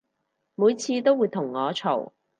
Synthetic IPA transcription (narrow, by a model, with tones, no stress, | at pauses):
muː˨˧jt͡sʰiː˧t̪o˥wuː˨˧jt̪ʰʊ˨˩ŋːɔː˨˧t͡ʃʰo˨˩w